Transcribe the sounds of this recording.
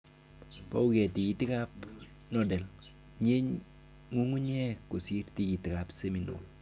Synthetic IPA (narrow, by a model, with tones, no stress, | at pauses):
pɔ̰˦u˦ɡɛ˨ti˨ɡi˨tɪ˦ka˦p | nɔ˨dɛ˨l | ɲe˦ɲ | ŋu˦ŋu˦ɲɛ˦ko˨si˦ɾti˨ki˨tɪ˨ka˨pse˦mi˨no̰˨l